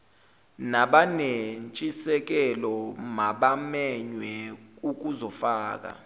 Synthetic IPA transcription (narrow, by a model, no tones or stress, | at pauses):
naɓanent͡ʃʼisɛk̬ɛlɔmaɓamɛɲwɛuk̬uzɔfaːk̬a̰